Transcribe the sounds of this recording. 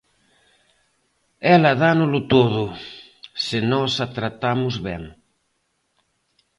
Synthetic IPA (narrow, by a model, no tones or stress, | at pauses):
ɛlɐðanʊlʊt̪oðʊ | sɪnɔsat̪ɾat̪amʊzβɛŋ